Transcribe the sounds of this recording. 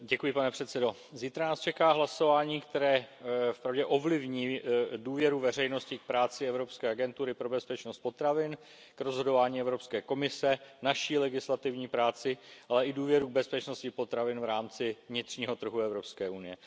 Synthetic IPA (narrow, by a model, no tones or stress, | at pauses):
ɟɛkujɪpanɛpr̝̥ɛt̪sɛdo̞ | ziːt̪ɾanaːst͡ʃɛkaːɦlaso̞vaːɲiːkt̪ɛɾɛːfpɾavɟɛʔo̞vlɪvɲiːduːvjɛɾuvɛr̝ɛjno̞scɪk̚pɾaːt͡sɪɛvɾo̞pskɛːaɡɛnt̪uɾɪpɾo̞bɛspɛt͡ʃnost̪̚pot̪ɾavɪn | kɾo̞zɦo̞do̞vaːɲiːɛvɾo̞pskɛːko̞mɪsɛnaʃiːlɛɡɪslat̪ɪvɲiːpɾaːt͡sɪʔalɛʔɪduːvjɛɾuɡ̚bɛspɛt͡ʃno̞scɪpo̞t̪ɾavɪnvɾaːmt͡sɪvɲɪt̪r̥ɲiːɦo̞t̪r̩ɦuɛvɾo̞pskɛːʔunɪjɛ